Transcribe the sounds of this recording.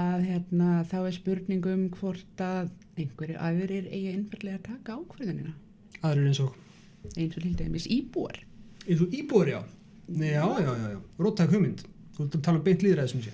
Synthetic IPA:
aðçjɛt̪naθawɛɾ̥spʏɾt̪niŋkʏmkʰvɔr̥t̪að | ejŋ̥kvɛɾɪʔa̰jvɪɾɪɾḛːjaejnfaɾt̪lɛɣat̪ʰaːkaːwkʰvœɾðʏnɪ̰na | aðɾɛɾɪnsɔx | ejnsɔɾlɪlt̪ajmɪsiːpua̰ɾ̥ɛθuiːpuaɾja̰w | aːwjawjawjawɾoːt̪ʰːakʰœmɪnt̪ | t̪t̪ʰalapejn̥t̪liːðɾaðɪsms̬jɛ

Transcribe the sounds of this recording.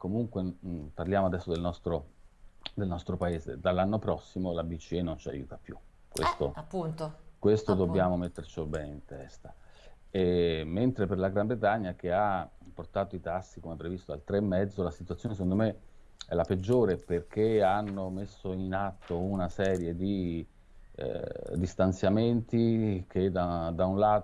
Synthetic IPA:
komuŋkweparljaːmoad̪ɛsːod̪elnɔst̪ɾo | d̪elnɔst̪ɾopaeːzḛd̪alːanːopɾɔsːimolabit͡ʃːienont͡ʃia̰jṵːt̪apjṵ | kwḛst̪oapːuntt̪okwest̪od̪obːjaːmomet̪ːert͡ʃobɛːneint̪ɛ̰st̪a | ement̪ɾeperlaɡɾambɾet̪̬aɲːak̟eapːort̪aːt̪oit̪asːikomɛpːɾevist̪oa̰lt̪ɾemːɛd̪zːolasit̪wuat̪sjoːnes̬ekond̪ome | ɛlaped͡ʒːoːɾeperk̟eanːomesːoinat̪ːounasɛːɾjed̪ḭ | d̪ist̪ant̪sjament̪ik̟ed̪ad̪aunlaːt̪

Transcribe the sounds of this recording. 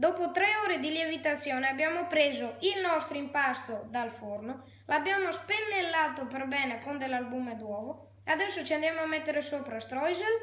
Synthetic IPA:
d̪ɔpot̪ɾɛoːɾed̪iljevit̪at̪sːjoːneabjamopɾeːzoilnɔst̪ɾoimpast̪od̪alforno | labjamospenːelːat̪opeɾbɛneapund̪elalbumed̪wɔvo | ead̪ɛsːot͡ʃiand̪jamoamɛt̪ːeɾesopɾast̪ɾɔjzel

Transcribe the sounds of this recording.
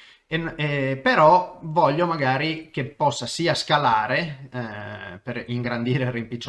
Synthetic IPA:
eepeɾɔvɔʎːomaɡaːɾikepːɔsːasiːaskalaːɾe | peɾiŋɡɾand̪iːɾerimpit͡ʃː

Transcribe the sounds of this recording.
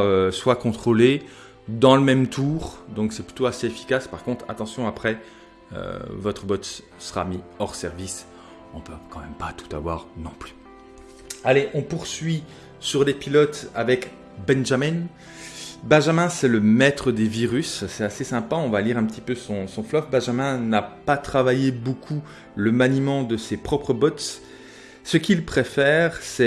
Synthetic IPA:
øswakɔ̃t̪χole | d̪ɑ̃ləmɛmt̪ʰuʁd̪ɔ̃ksɛply̥t̪oaseefi̥kaspaʁkɔ̃t̪χa̰t̪ɑ̃sjɔ̃apχɛ | ø̰vɔt̪χəbɔt̪ | səʁa̰miɔʁsɛʁvis | ɔ̃pøkɑ̃mɛmpat̪u̥t̪avwaʁnɔ̃ply̥ | aleʔɔ̃puʁsɥi | syʁlepilɔt̪avɛk | bɛ̃nʒamɛn | bɛ̃ʒamɛ̃sɛləmɛt̪χəd̪eviʁyssɛt̪asesɛ̃paɔ̃valiʁɛ̃pət̪ipøsɔ̃sɔ̃flɔfbɛ̃ʒamɛ̃napat̪χavajebokʰu | ləmanimɑ̃d̪əsepχɔpχəbɔt̪ | səkʲilpχefɛʁsɛ

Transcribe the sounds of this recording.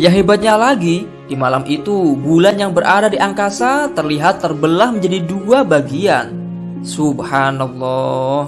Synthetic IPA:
jaŋɦibat̪̚ɲalaɡi | d̥imalamʔit̪ubulanjaŋbəɾʔadadiʔaŋkasat̪ərliɦat̪ːərbəlahməɲd͡ʒadiduabaɡian | subhanalːɔh

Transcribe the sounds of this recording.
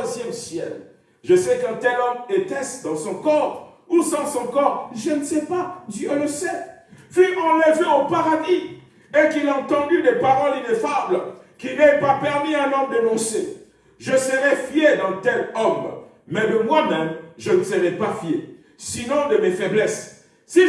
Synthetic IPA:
zjɛmsjɛ̰l | ʒəsɛkɛ̃t̪ɛlɔmet̪ɛsd̪ɑ̃sɔ̃kɔ̃t | usɑ̃sɔ̃kɔʁʒənəsɛpad̪jøləsɛfymɑ̃ləveopaʁad̪i | ekilaɑ̃t̪ɑ̃d̪yd̪epaʁɔlinefablkinɛpapɛʁmiɛ̃nɔmd̪ənɔ̃sḛ | ʒəsəʁɛfied̪ɑ̃t̪ɛlɔmː | ɛd̪əmwamɛmʒənəsəʁɛpafjḛ | sinɔ̃d̪əmefɛblɛs | si

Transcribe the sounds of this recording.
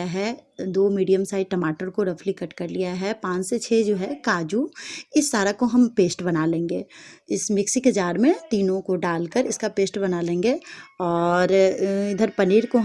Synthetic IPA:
aɦɛd̪oːmiːɖijəmsaːɪʈɐmaːʈəɾkoɾɐfʰlikɐʈkɐɾlijaɦɛpãːt͡ʃset͡ʃʰɛd͡ʒoːɦɛkaːd͡ʒuɪsːaːɾakoɦɐmpeːsʈbɐnalẽːŋɡeːɪsmɪksikɐd͡ʒaːɾmẽt̪iːnõkoɖaːlkəɾɪskapeːsʈbɐnalẽːŋɡeːɔːɾɪd̪ʱəɾpɐniːɾko

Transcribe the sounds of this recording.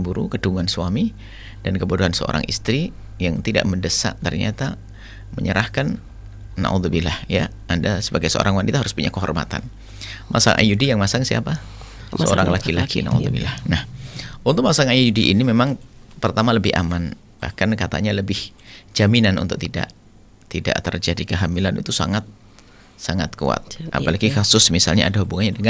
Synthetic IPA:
mbuɾukəduŋansuwami | d̥ankəbuduɦansəo̰ɾa̰ŋʔḭst̪ɾi | jaŋt̪ida̰ʔməndəsa̰ʔt̪ərɲa̰t̪a | məɲəɾahkanː | a̰ʔud̪ubilahja | andasəbaɡajsəo̰ɾaŋwanit̪aɦaɾʊspuɲakəɦɔrma̰t̪a̰n | mʔasa̰ŋʔa̰judijaŋmasaŋsia̰pa | səo̰ɾaŋlakilakʰḭna̰ṵðubḭlahnahʔunt̪ʊk̚masaŋajuudiʔinimemaŋpərt̪amaləbɪha̰man | b̥a̰hkankat̪a̰ɲaləbɪhd͡ʒaminanṵnt̪ʊk̚t̪ida̰ʔ | t̪ida̰ʔt̪ərd͡ʒadikəɦamilanḭt̪usa̰ŋat̪̚ | saŋat̪̚kṵa̰t̪̚ʔa̰palaɡikasʊsmisalɲa̰adaɦubuŋanɲadəŋa

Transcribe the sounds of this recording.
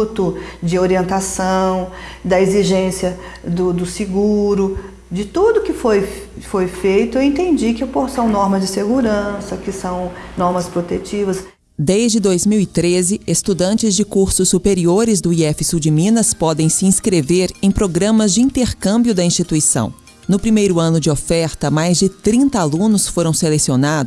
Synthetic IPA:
t̪ʊd͡ʒɪoɾiẽnt̪asɐ̃w̃d̪ɐeziʒẽsiɐd̪ʊd̪ʊsɪɡuɾʊ | d͡ʒɪt̪ud̪ʊkɪfoj | fojfejt̪ʊeẽnt̪ẽnd͡ʒikɪposɐ̃w̃nɔɾmɐzd͡ʒɪseɡuɾɐ̃sɐkɪsɐ̃w̃nɔɾmɐspɾot̪et͡ʃivɐs | d̪ejzd͡ʒɪd̪ojzmiwit̪ɾezɪest̪ud̪ɐ̃nt͡ʃɪzd͡ʒɪkuɾsʊsːupeɾioɾɪzd̪ʊiɛfɪsud͡ʒɪmĩnɐspɔd̪ẽj̃sɪĩskɾeveɾẽj̃pɾoɡɾɐ̃mɐzd͡ʒɪĩnt̪eɾkɐ̃mbjʊd̪ɐĩst͡ʃit̪uisɐ̰̃w̃ | nʊpɾimejɾʊɐ̃nʊd͡ʒɪofɛɾt̪ɐmajzd͡ʒɪt̪ɾĩnt̪ɐalũnʊsfoɾɐ̃w̃selesionad̪ʊ

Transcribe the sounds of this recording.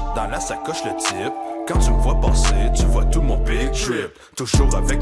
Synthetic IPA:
d̪ɑ̃lasakɔʃlət̪ipkɑ̃t̪ymvwapɑ̃set̪yvwat̪umɔ̃pet̪ɹip̚ | t̪uʒuːʁavɛk

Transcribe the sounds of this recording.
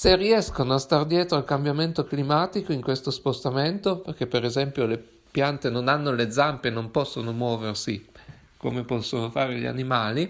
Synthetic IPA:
seriɛskonoast̪ard̪jɛːt̪ɾoalkambjament̪oklimaːt̪ikoiŋkwest̪ospost̪ament̪operk̟epːeɾezɛmpjole | pjant̪enonanːoled̪zampenompɔsːonomwɔːversi | komepɔsːonofaːɾeʎia̰nimaːli

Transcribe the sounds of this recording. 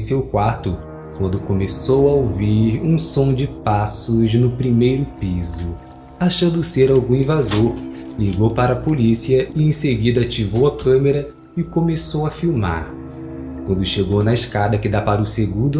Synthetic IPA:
sewkwaɾt̪ʊ | kwɐ̃nd̪ʊkomesowɐowviɾũsõd͡ʒɪpasʊznʊpɾimejɾʊpizʊ | aʃɐ̃d̪ʊseɾawɡũĩvazoɾliɡowpaɾɐːpolisiɐɪẽseɡid̪ɐat͡ʃivowɐkɐ̃meɾɐ | ɪkõmesowɐfiwma̰ɾ | kwɐ̃nd̪ʊʃeɡownɐɪʃkad̪ɐkɪd̪apaɾʊseɡũd̪ʊ

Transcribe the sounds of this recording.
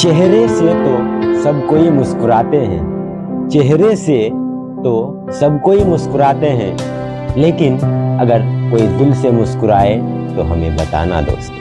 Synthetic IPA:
t͡ʃɛɦɾeset̪osɐbkoːimʊskʊɾaːt̪eɦɛ̰̃ː | t͡ʃɛɦɾese | t̪o | sɐbkoːimʊskʊɾaːt̪eɦɛ̰̃ː | leːkɪnɐɡəɾkoːid̪ɪlsemʊskʊɾaːet̪oɦɐmḛ̃bɐt̪a̰ːna̰d̪o̰ːs

